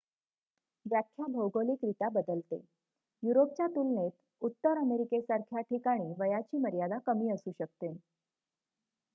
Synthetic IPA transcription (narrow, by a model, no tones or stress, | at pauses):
ʋjakʰːjabʱowɡoliːkɾit̪abəd̪əlt̪ḛ | juɾop̚t͡ɕjat̪ulnet̪ | ut̪ːəɾəmeɾikesaɾkʰjaʈikaɽ̃iːʋəjat͡ɕiːməɾjad̪akəmiːəsuːɕək̚t̪en